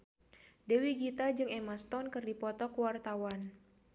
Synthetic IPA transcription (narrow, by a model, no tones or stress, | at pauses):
dewiɡit̪ad͡ʒɨŋɛmast̪ɔnkɨrdipɔt̪ɔkwart̪awan